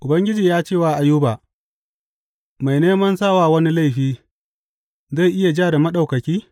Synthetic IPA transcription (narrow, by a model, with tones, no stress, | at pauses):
ʔʊ˨bɐ˦ŋɡʲɪ˦d͡ʒiː˨jaː˦t͡ʃeː˦˨waː˨ʔa˨jːuː˦baː˨ | ma˨jneː˦mɐ˦nsaː˦waː˨wɐ˦ni˦la˦˨jɸiː˦ | za˦˨jʔɪ˦ja˨d͡ʒaː˦˨da˨mɐ˦ɗa˨wkɐ˨kʲiː˦